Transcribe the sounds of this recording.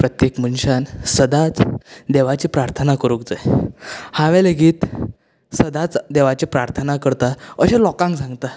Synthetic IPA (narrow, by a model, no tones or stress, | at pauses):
pɾət̪jekmənɕansəd̪at͡sd̪eʋat͡ɕiːpɾaɾt̪ʰənakəɾuk̚d͡zəjhãʋɛləɡiːt̪ | səd̪at͡sd̪eʋat͡ɕipɾaɾt̪ʰənakəɾt̪aəɕẽlɔkãŋɡsãŋɡt̪a